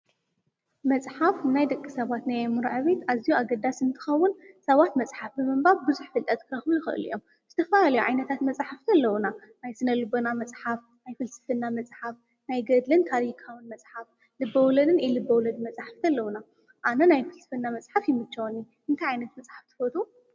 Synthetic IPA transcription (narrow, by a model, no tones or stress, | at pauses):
mɐt͡sʼħafnajd̪ɐkʼːisɐβat̪najɐmɨɾʕaβe̞t̪azijuaɡɐd̪asɨnt̪ʰɨ̥xɐwːʊnsɐβat̪mɐt͡sʼħafbɨmɨmbaβbɨzuħfɨlt̪ʼɐt̪kʰɨɾɐxmujɪxɨ̰ʔɨ̰lṵjom | z̥ɨt̪ʰɐfɐlalɐjuʕajnɐt̪ʰat̪mɐt͡sʼħafkʰɐlːɐwunanajsɨnɐlɨbɐnamɐt͡sʼħaf | najfɨlsɨ̥fɐnːamɐt͡sʼħaf | najɡɐd̪lɨnt̪ʰaɾikʰawɨnmɐt͡sʼħaf | lɨbːɐwlɐnɨnɛlɨbːɐwlɐd̪ɨmɐt͡sʼħafk̪ʰɐlːɐwuna | ʔanɐnajfɨlsɨ̥fɐnːamɐt͡sʼħafjɪmɨt͡ʃːɐwonji | ʔɨnt̪ʰajʕajnɐt̪mɐt͡sʼħaft̪ʰɨ̥fɐt̪ʰʼu